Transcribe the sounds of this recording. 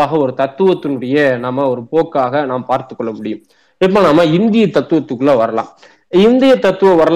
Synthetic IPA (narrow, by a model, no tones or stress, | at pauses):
aːɣɐɔɾɯt̪ɐt̪ːɯʋɐt̪ːɯnɯɽɐjɐnaːmːɐɔɾɯpoːkːaːɣɐnaːmɐpaːɾt̪ɯkːɔɭːɐmʊɽɪjɯm | ɪp̬ːoːnaːmːɐɪnd̪ɪjɐt̪ɐt̪ːɯʋɐt̪ːɯkːɯɭlɐʋɐɾɐla̰ːm | ɪnd̪ɪjɐt̪ɐt̪ːɯʋɐ̃ʋɐɾɐl